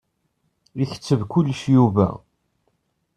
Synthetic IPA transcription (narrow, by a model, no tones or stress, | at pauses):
içə̥t͡sːəvkulːəʃjuvæ̰